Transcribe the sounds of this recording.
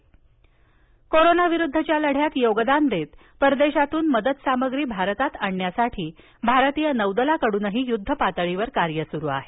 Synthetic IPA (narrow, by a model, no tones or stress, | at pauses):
koɾonaʋiɾud̪ʱːət͡ɕjaləɽ̤jat̪joɡd̪and̪et̪ | pəɾd̪eɕat̪uːnməd̪ət̪saməɡɾiːbʱaɾət̪at̪aɳːjasaʈʰiː | bʱaɾət̪ijənəwd̪əlakəɽuːnəɦiːjud̪ʱːəpat̪əɭiʋəɾkaɾjəsuɾuːa̰ɦe